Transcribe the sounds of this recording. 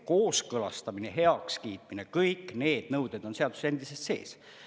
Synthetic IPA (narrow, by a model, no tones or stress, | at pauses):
ko̞ːskɤlɑ̰st̪ɑmineɦe̞ɑkskiːt̪ˑminekɤjkne̞ːd̪̥nɤwd̪̥ed̪̥o̞nse̞ɑd̪u̥se̥e̞nd̪̥isest̪se̞̰ːs